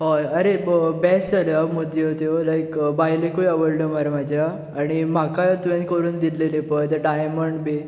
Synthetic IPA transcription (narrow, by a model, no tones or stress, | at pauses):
ɦoəɾeəbɛsəɾəməd̪ʱjeot̪jolajkbajlekojəʋəɭɖomaɾmad͡ʑʱja | aɽ̃im̤akat̪ʋẽnkəɾuːnd̪ilelepəjt̪əɾɖajməɳɖbe